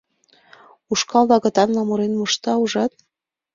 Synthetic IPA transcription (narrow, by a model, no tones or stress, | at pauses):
uʃkɑld̪ɑɣɤ̆t̪ɑnlɑmuɾenmoʃt̪ɑuʒɑt̪̚